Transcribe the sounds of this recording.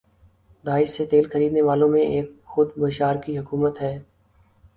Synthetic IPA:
d̪aːɪʃset̪eːlxɐɾiːd̪neʋaːlõmẽeːk̚xʊd̪bəʃaːɾkiɦʊkuːmət̪ɦɛː

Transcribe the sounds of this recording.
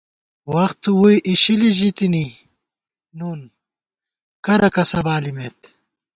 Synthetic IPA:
wɐxt̪wujʔiɕiliʑit̪ini | nuːn | kɐɾɐkɐsɐbaːlimet̪

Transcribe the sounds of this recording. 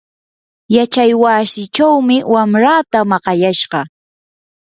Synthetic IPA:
jat͡ʃajwaːsɪt͡ʃawmɪwamɾat̪amɑqɑjaʃɢɑ

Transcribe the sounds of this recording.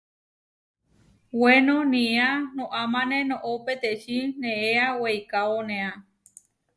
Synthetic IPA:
wenõnĩanõʔamãnẽnõʔopet̪eʃinẽeawejkaonẽã

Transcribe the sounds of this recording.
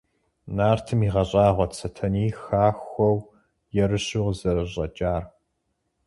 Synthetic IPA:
naːrtʰɨmiːʁɐɕʼɑːʁʷɔt͡sʰɐtʰɐniːxaːxʷɔw | jɛɾɨɕʊʁzɐrɨɕʼɐt͡ʃʼaːr

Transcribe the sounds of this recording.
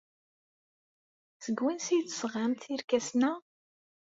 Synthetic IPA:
səɡwinsijt̪ːsʁamt̪iɾkæsnæ

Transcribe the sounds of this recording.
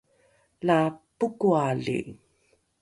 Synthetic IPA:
lapukualḭ

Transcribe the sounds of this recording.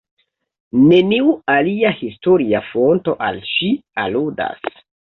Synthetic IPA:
ne̞niualiahisto̞ɾiafonto̞ʔa̰lʃialuda̰s

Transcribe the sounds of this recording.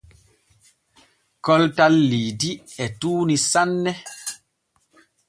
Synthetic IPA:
kɔltalːiːdiɛtuːnisanːɛ

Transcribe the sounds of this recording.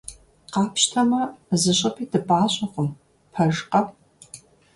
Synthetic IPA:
qɑːpɕtʰɐmɐzɨɕʼɐpʰiːdɨpʼaːɕʼɐqʷʊm | pʰɐʒqɐpʼ

